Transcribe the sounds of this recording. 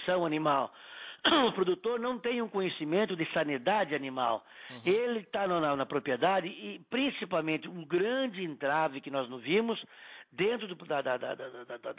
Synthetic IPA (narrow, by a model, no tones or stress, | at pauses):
sɐ̃w̃ɐnĩmaw | ʊpɾod̪ut̪oɾnɐ̃w̃t̪ẽj̃ũkõɲesimẽnt̪ʊd̪ɪsɐnid̪ad͡ʒɪanĩmaw | elɪt̪anɐnɐnɐpɾopied̪ad͡ʒ̪ɪɪpɾĩsipawmẽnt̪ɪũɡɾɐ̃d͡ʒɪẽnt̪ɾavɪkɪnɔznõvĩmʊsd̪ẽnt̪ɾʊd̪ʊd̪ɐd̪ad̪a̰d̪d̪d̪